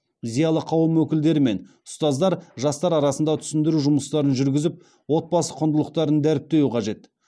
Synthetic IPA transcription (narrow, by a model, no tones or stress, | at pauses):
zijɑlˠəqʰɑwəmwɵkʲɪld̪e̞ɾɪme̞n | ʊst̪ɑzd̪ɑɾʒɑst̪ɑɾɑɾɑsənd̪ɑt̪ʰʏ̥sɪnd̪ɪɾuʒʊməst̪ɑɾənʒʏɾɡʲɪzɪp̚ | wo̞t̪̚bɑsəqʰʊnd̪əlˠəq̚t̪ɑɾənd̪æɾɪp̚t̪e̞wuqʰɑʒe̞t̪